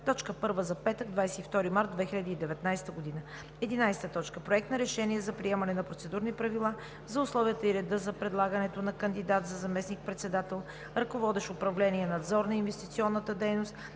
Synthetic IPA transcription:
t̪ɔt͡ʃkəpɤɾvəzɐpɛt̪əɡd̪vajsɛt̪ift̪ɔɾimaɾt̪̚d̪vɛxiʎʲɐd̪iːd̪ɛvɛt̪najst̪əɡod̪inə | ɛd̪inajst̪ət̪ɔt͡ʃkəpɾoɛk̚t̪nɐɾɛʃɛniɛzɐpɾiɛmɐnɛnɐpɾot̪sɛd̪uɾnipɾɐvilˠa | zɐʊslˠɔvijət̪əiɾɛd̪ɤzɐpɾɛd̪lˠaɡənɛt̪onɐkənd̪id̪at̪zɐzɐmɛsnik̚pɾɛt̪sɛd̪at̪ɛlˠ | ɾɐkovɔd̪ɛʃʊpɾɐvlɛniɛnɐd̪zɔɾnɐinvɛst̪it̪siɔnːət̪əd̪ɛjnost̪

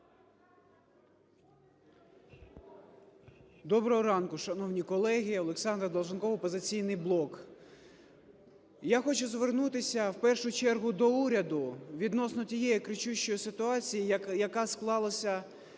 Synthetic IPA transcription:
d̪ɔbɾɔɦɔɾɑnkʊʃɐnɔwnʲikɔlˠɛɦʲiɔlˠeksɑnd̪ɾɐd̪ɔlˠʒɐnkɔʋɔpɔzɪt͡sʲijnɪjblˠɔk | jaxɔt͡ʃʊzʋernut̪ɪsʲɐwpɛrʃʊt͡ʃɛrɦʊd̪ɔuɾʲɐd̪ʊʋʲid̪nɔsnɔtʲijɛjikɾɪt͡ʃuʃt͡ʃɔjisɪt̪ʊɑt͡sʲijijɐkɑsklˠɑlˠɐsʲɐ

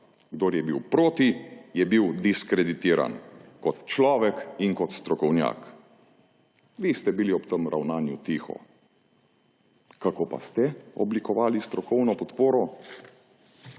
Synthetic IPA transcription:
ɡd̪oːɾjɛbiwpɾoːt̪ijɛbiwd̪iskɾɛd̪it̪iːɾa̰nkɔt̪t͡ʃlɔːʋɛkiŋkɔt̪st̪ɾɔkɔwnja̰ːk | ʋist̪ɛbiliɔpt̪əmɾʔa̰wnaːnjut̪iːxɔ̰ | kakoːpa̰st̪ɛɔblikɔʋaːlist̪ɾɔkɔwnɔpɔt̪poːɾɔ

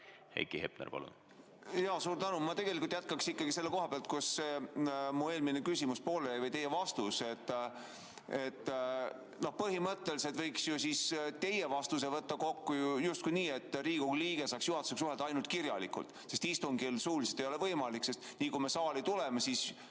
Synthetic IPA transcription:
hḛjkihep̚nḛrpɑ̰lṵn | jɑːsuːɾt̪ænumɑt̪e̞ɡ̥e̞likult̪jæt̪̚kɑksikːɑɡise̞lːeko̞ɦɑpeɑlt̪̚kusːemue̞ːlminekysimuspoːlejɑjvɤjt̪e̞jːe̞vɑst̪use̞t̪ːˑ | e̞t̪ː | no̞hpɤɦimɤt̪ːeliset̪vɤjksjusist̪e̞jevɑst̪us̬e̞vɤt̪ːɑko̞kːujujust̪kujniːe̞t̪ːˑriːɡ̥uliːɡ̥e̞sɑːksjuhɑt̪u̥seks̬uɦeld̪ɑɑjnult̪̚kirjɑlḭkˑṵlt̪ˑse̞st̪ist̪uŋɡilsuːlise̥t̪ejo̞le̞vɤjmɑlikse̞st̪niːkume̞sɑːlit̪ulemesiːs

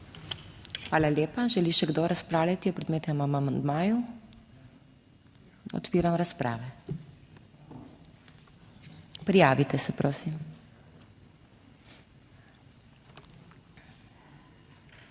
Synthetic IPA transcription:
xʋaːlaljeːpaʒɛliʃɛɡd̪oɾaspɾaːwlʲjat̪iɔpɾɛd̪meːt̪ɛmamamand̪maːju | ɔ̰t̪piːɾamɾaspɾa̰ːʋɛ | pɾijaːʋit̪ɛsɛpɾʔoːsim

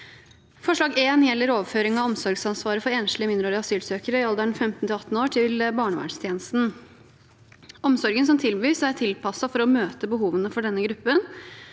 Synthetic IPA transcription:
fɔʂɭɑːɡeːnjɛlːəɾoːʋəføːɾɪŋɑɔmsɔɾɡsɑnsʋɑːɾəfɔɾeːnʂlɪəmɪnd̪ɾoːɾəɑsyːlsøːkəɾəɪɑld̪æɳfɛmt̪nt̪ɪɑt̪n̩oːʈʰɪlbɑːɳəʋæ̰ːɳst̪ʰjeːnəst̪n̩ | ɔmsɔɾɡənsɔmt̪ʰɪlbʋiːsætʰɪlpʰɑsɑfɔɾɔmøːt̪əbəɦuːʋənəfɔɖɛnːəɡɾʉpːən

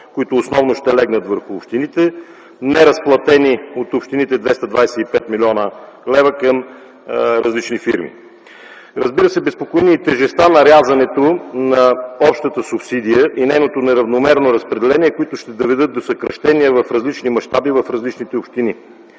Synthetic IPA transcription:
koit̪ʊːsnɔvnoʃt̪ɛlɛɡnət̪vəɾxʊːpʃt̪init̪ɛ | nɛɾɐsplˠɐt̪ɛniot̪opʃt̪init̪ɛd̪vɛst̪ɐd̪vajsɛipɛt̪milʲiɔnə | lɛvəkəm | ɾɐzlit͡ʃnifiɾmḭ | ɾɐzbiɾəsɛbɛspokoiniːt̪ɛʒɛst̪vanɐɾʲazɐnɛt̪onɐɔpʃt̪ət̪əsupsid̪ijəʔinɛjnot̪onɛɾɐvnomɛɾnoɾɐspɾɛd̪ɛlɛniɛkoit̪ʊʃt̪ɛd̪ovɛd̪ɤt̪̚d̪osəkɾɐʃt̪ɛniəvɐfɾɐzlit͡ʃnimɐʃt̪abivɐfɾɐzlit͡ʃnit̪ɛopʃt̪ini

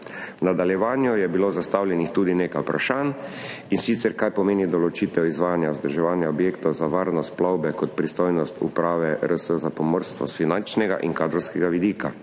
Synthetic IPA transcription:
nad̪aljɛʋaːnjɔjɛbiloːzast̪awljɛnixt̪uːd̪ineːkajpɾʔaʃaːn | insit̪sɛɾkajpɔmeːnid̪ɔlɔt͡ʃiːt̪ɛwizʋaːjanjaʊzd̪əɾʒɛʋaːnjaɔbjeːkt̪ɔwzaʋaːɾnɔsplɔwbɛkɔt̪pɾist̪ojnɔst̪ṵpɾaːʋɛɾəsəzapɔmɔɾst̪ʋɔ̰sfinant͡ʃnɛɡa̰ʔḭŋkaːd̪ɾɔwskɛɡaʋid̪iːka

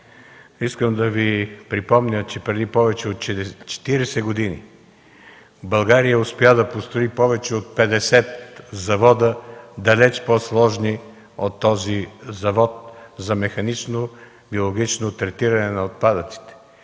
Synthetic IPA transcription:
iskəmd̪ɐvipɾipɔmnʲət͡ʃɛpɾɛd̪ipɔvɛt͡ʃɛot̪t͡ʃt͡ʃɛ̥t̪iɾɛsɛɡod̪inḭ | bɐlˠɡaɾijəʊspɛad̪ɐpost̪ɾoipɔvɛt͡ʃɛot̪̚pɛd̪ɛsɛt̪zɐvɔd̪əd̪ɐlɛt͡ʃposlˠɔʒni | ot̪ːɔzizɐvɔt̪̚zɐmɛxɐnit͡ʃno | biolˠoɡit͡ʃnot̪ɾɛt̪iɾɐnɛnɐot̪̚pad̪ət̪si̥t̪ɛ̥

